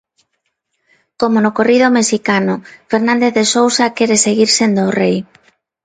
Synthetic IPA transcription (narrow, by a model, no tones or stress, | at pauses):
komonʊkorið̞omeʃikanʊfeɾnãnd̪eθðesowsakɛɾeseɣiɾsend̪oːrej